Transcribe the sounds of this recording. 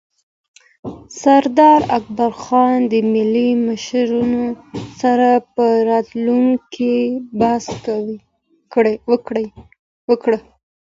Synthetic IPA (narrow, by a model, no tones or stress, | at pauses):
saɾd̪ɑɾak̚baɾxɑnd̪əmɪliməʃɾunosaɾapəɾɑt̪luŋkʰibaskawi | wəɽ | wəkɽə